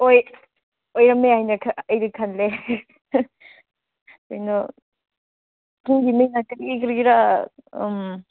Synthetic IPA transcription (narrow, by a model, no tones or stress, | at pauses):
oj | ojɾɐmːeajnɐkʰɐjɾɯkʰanle | kojnɐ | kʰɯŋɡimɯjnakɯɾikɯɾɡiɾa̰ | m